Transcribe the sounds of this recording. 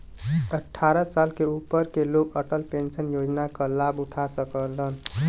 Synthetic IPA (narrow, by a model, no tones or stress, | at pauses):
əʈʰːaɾəsalkeupːəɾkelokəʈəlpensənjod͡ʒnakəlabuʈʰasəkələn